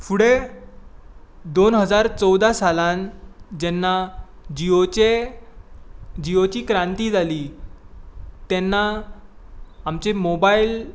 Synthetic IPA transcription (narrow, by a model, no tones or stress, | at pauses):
fuɽe | d̪onɦəd͡zaɾt͡sɔwd̪asaland͡ʑɛnːad͡ʑioe | d͡ʑiot͡ɕiːkɾãnt̪iːd͡zʱaliː | t̪ɛnːa | amt͡ɕemobail